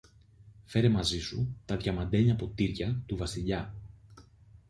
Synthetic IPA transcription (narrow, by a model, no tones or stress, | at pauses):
fe̞ɾe̞mɐzisut̪ɐðʝɐmɐd̪e̞ɲɐpo̞t̪iɾcɐt̪uvɐsiʎɐ